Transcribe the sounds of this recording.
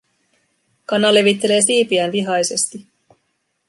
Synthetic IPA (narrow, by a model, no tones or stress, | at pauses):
kɑnːɑle̞ʋit̪ːe̞le̞ːsiːpiænʋiɦɑjse̞st̪i